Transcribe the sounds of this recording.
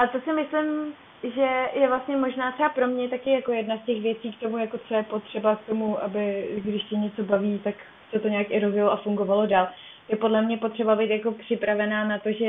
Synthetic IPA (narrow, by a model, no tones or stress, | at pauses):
ʔat̪o̞sɪmɪslɪm | ʒɛjɛvlast̪ɲɛmoʒnaːt̪rɛbapɾo̞mɲɛt̪akɪjako̞jɛdnascɛxvjɛt͡siːkt̪o̞mujako̞t̪t͡sojɛpo̞t̪r̝̥ɛbak̚t̪o̞muʔabɪɡdɪʃcɛɲɛt͡so̞baviːt̪ak | sɛt̪oɲɛakʔɪɾozjɪloʔafuŋɡo̞valo̞daːl | jɛpo̞dlɛmɲɛpo̞t̪r̥ɛbabɛjt̪jako̞pr̥ɪpɾavɛnaːnat̪o̞ʒɛ